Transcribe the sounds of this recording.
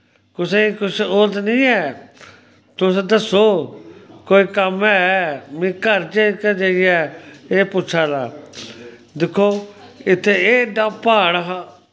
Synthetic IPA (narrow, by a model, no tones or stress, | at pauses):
kʊsẽikʊʃolt̪nĩːɛː | t̪ʊsed̪əsoː | koːiːkəmɛmĩːkəɾt͡ʃeikɛd͡ʒeiɛːeːpʊːt͡ʃʰaːd̪aː | d̪ɪkʰːoːɪt̪ʰːeːeːɖaːpaːɽəɦaː